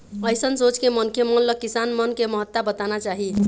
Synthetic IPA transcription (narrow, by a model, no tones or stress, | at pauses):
əjsənsot͡ʃkemənkʰemənləkːisanmənkeməɦət̪ːabət̪anat͡ʃaɦi